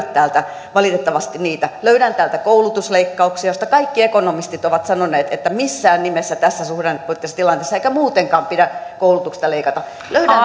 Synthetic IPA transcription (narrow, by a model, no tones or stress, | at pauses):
t̪tæːlt̪æ | ʋɑlit̪et̪ːɑʋɑst̪iniːt̪æløyɾænt̪æːlt̪ækoulut̪usleikːɑuksiɑjost̪ɑkɑikːiekonomist̪it̪oʋɑt̪sɑnoneːt̪et̪ːæmisːæːnnimesːæt̪æsːæsuhdenpoit̪ːesːɑt̪ilɑnt̪eːsːɑeikæmuːt̪eŋkɑːmpidækoulut̪uksi̥st̪ɑleikɑt̪ɑ | løyɾæ